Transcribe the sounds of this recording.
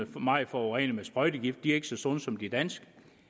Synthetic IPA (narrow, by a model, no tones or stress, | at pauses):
əmɑ̈ɪfɒʁɛnəmesb̥ʁɒ̽ɪd̥əɡ̥ifd̥d̥iæɐe̝ɡ̥ə̥sɒ̽sɒ̽n̩sɒ̽md̥id̥æn̰sɡ̥ə